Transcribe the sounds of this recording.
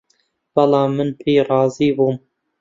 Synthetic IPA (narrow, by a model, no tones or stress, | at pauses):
wɑlɑːmɨnpʰiːɾˤɑːziːbuːm